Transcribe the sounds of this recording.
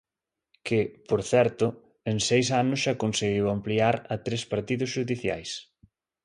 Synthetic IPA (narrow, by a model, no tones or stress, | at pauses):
kɪpoɾθɛɾt̪ʊ | eŋsejs̬anʊsʃakonseɣiwampliaɾɐt̪ɾespaɾt̪iðʊsʃuðiθja̰js